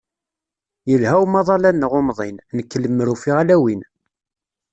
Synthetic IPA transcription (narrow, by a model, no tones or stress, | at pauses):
jəlhæwmɑðˤɑlænːʁomðˤinnəkːələmːəɾufiʁalæwin